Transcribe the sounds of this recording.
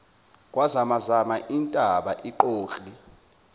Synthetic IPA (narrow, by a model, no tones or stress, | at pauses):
k̬ʼwazamazamaʔintʼaɓaʔiǃoːɬʼli